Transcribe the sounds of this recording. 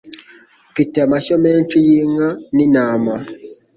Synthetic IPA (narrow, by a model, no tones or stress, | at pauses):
fitɛmasɔmɛnt͡ʃujiŋaninaːma